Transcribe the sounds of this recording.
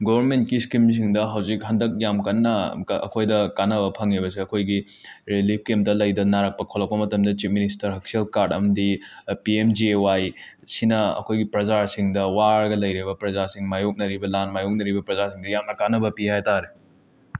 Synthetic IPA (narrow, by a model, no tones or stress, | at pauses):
ɡobʱɐɾment̚kiskims̬iŋdɐɦɐwzik̚ɦɐndɐk̚jamkɐnːɐ̰ːkʰojdɐkanɐbɐpʰɐŋibɐsiɐkʰojɡi | ɾelip̚kemdɐlɐjdɐnaɾɐk̚pɐkʰolɐk̚pɐmɐtɐmdɐt͡ʃip̚ministɐɾɦɐk̚selkaɾdɐmɐdipiemd͡ʒiwaj | sinɐɐ̰kʰojɡipɾɐd͡ʒaɾsiŋdɐwaɾɡɐlɐjɾibɐpɾɐzasiŋmajok̚nɐɾibɐlanmajok̚nɐɾibɐpɾɐzaɾsiŋdɐjamnɐkanɐbɐpihajtaɾe